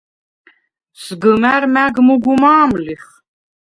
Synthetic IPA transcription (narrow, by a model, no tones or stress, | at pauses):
sɡəmæɾmæɡmuɡumaːmliχ